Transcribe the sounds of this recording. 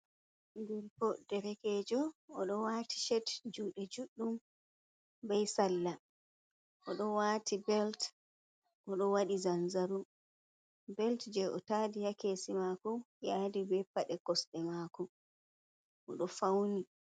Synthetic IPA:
ndɛɾpɔd̥ɛɾɛkɛːd͡ʒɔɔɗɔwati̥ʃɛtd͡ʒuːɗɛd͡ʒuɗːum | bɛjsalːa | ʔɔɗɔwaːtʰibɛlt | ʔɔɗɔwaɗizanzaɾum | bɛltd͡ʒɛʔɔtaːdijakeːsimakɔ | jadibɛpːaɗɛkɔsɗɛmaːkɔ | ʔɔ̰ɗɔfawni

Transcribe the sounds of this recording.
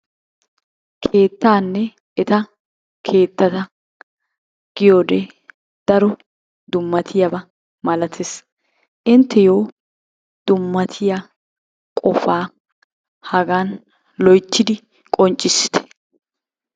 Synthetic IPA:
kʰe̞ːt̪ːaːnːɛ | ʔɛt̪ɐ | kʰe̞ːt̪ːɐt̪ɐ | ɡ̥ɪjoːd̪eː | d̪̥ɐɾɔ | d̪ʊmːɐt̪ʰɪjɐbɐ | mɐlɐt̪ʰes | ʔɪnt̪ːɛjoː | d̪̥ʊmːɐt̪ʰɪja | kʼɔfaː | hɐɡaːn | lɔjt̪ːɪd̪ɪ | kʼɔnt͡ʃʼːɪsːɪ̥t̪ɛ̥

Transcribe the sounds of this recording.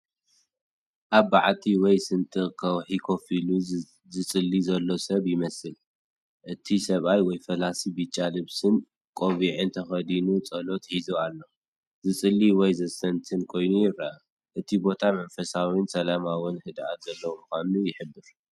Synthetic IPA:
ʔaβːaʕt̪ʰiwɔjsɨnt̪ʼɨkʰɐwħikʰo̞filu | zɨt͡sʼɨlːizɐlːo̞sɐβjɪmɐsɨl | ʔɨt̪ʰisɐβajwɔjfɐlasibit͡ʃʼːalɨβsɨn | kʼo̞βiʕɨnt̪ʰɐxɐd̪inut͡sʼɐlo̞t̪ħizualːo̞ | zɨt͡sʼɨlːiwɔjzɐsɐnt̪ʰɨnkʰo̞jnujɪɾɐa | ʔɨt̪ʰibo̞t̪ʰamɐnfɐsawinsɐlamawɨnhɨd̪ʔa̰t̪zɐlːɐwumɨxanujɪħɨbːɨɾ

